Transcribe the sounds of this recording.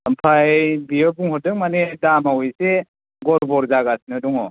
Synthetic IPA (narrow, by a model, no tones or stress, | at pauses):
əmpʰajbijɔbuŋhɔtdɯk̚manedamawijse | ɡɔɾbɔɾzaɡasnɯdɔŋɔ